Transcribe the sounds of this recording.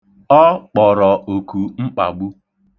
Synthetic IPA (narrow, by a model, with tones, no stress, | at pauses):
ɔ˦k͡pɔ˨ɾɔ˨o˨ku˨ŋ͡m̩˦k͡pa̰˨ɡ͡bu˦